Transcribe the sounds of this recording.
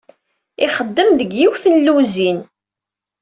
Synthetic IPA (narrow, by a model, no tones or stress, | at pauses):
ɪχəd̪ːəmðəɡjiwθənluzin